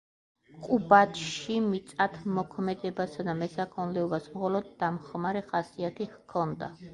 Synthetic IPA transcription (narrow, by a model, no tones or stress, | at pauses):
qʼubat̪ʰʃimit̪sʼat̪ʰmɔkʰmɛd̪ɛbasad̪amɛsakʰɔnlɛɔbasmχɔlɔd̪ːamχmaɾɛχasiat̪ʰiχkʰɔnd̪a̰